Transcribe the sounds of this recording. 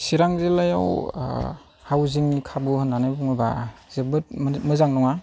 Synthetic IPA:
siɾaŋzelaja̰w̰ | hawziŋnikʰabuhɯnːanajbuŋɯbazebɯt̚mmɯzaŋnɔŋa

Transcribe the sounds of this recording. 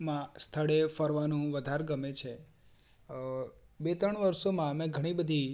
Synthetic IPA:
mãst̪ʰəɭefəɾʋanũʋəd̪ʱaɾɡəmet͡ʃʰe | bet̪ɾəɳ̃ʋəɾsomãmẽɡʱəɽ̃ibəd̪ʱi

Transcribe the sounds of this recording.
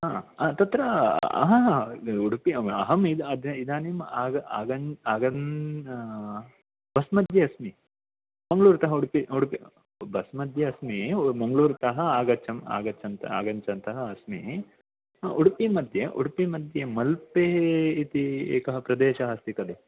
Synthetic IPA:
aːt̪ɐt̪ɾɐɐ̰ɦɐɦuɽpiɐ̰ɦɐmid̪ɐd̪ɐid̪aːnimaːɡɐaːɡɐnaːɡɐn | b̥ɐsmɐd̪ʱjɐɐsmi | mɐŋɡɭuːɾt̪ɐɦɐuɽpiuɽpi | bɐsmɐd̪ʱjɐɐsmimɐŋɡɐɭuːɾt̪ɐɦɐ̆aːɡɐt͡ʃɐma̰ːɡɐt͡ʃːɐnt̪ɐa̰ːɡɐɲt͡ʃɐnt̪ɐɦɐɐsmi | ʔuɽpimɐd̪ʱjɐʔuɽpimɐd̪ʱjɐmɐlpeːit̪iḛːkɐɦɐpɾɐd̪eːʃɐɦɐst̪ikɐd̪e

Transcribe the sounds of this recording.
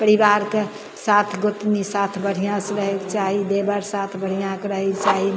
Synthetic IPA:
pəɾibaɾke | sat̪ʰɡot̪nisat̪ʰbəɽ̤ijãsəɾəɦekt͡ʃaɦid̪ebəɾsat̪ʰbəɽ̤ijãkeɾəɦekt͡ʃaɦi

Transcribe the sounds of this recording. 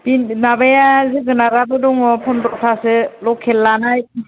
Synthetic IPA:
binabajazɯɡɯnaɾabɔdɔŋɔpʰɔndɾɔpʰasɯlɔkʰːelːanajki

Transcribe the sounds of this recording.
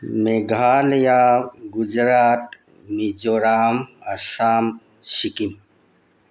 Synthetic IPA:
meɡʱaːljaːɡud͡ʒɾaːt̪ | mid͡ʒoːɾaːmɐsaːm | ʃikim

